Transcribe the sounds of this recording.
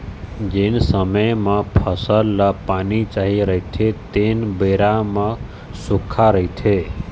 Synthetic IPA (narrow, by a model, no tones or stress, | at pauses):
d͡ʒensəməjmə̃pʰəsəlːəpanit͡ʃaɦiɾəit̪ʰet̪enbeɾamə̃ | sukʰːaɾəɦit̪ʰe